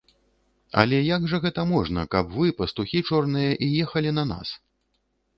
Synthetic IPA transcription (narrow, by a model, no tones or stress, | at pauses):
ɐ̰lʲɛjaɡʐɐɣɛt̪ɐmɔʐnɐkɐpvɨpɐst̪uxʲit͡ʂɔrnɨjɐʔijɛxɐlʲinɐna̰s